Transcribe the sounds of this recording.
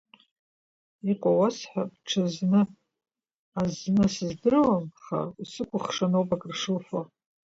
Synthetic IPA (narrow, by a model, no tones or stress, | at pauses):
iqʷʼawasħʷᶣabʈ͡ʂʰɨznɨ | aznɨsɨzdɨrwamχa̰risɨkʷʰʊχʂanowpʼakʼrʂɨlfa